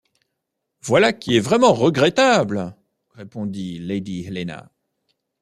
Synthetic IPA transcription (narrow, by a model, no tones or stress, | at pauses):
vwalakʲiɛvʁɛmɑ̃ʁəɡʁɛt̪abl | ʁepɔ̃d̪iled̪iɦɛlena̰